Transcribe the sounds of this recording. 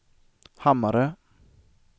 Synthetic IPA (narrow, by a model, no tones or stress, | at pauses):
hamːaɾə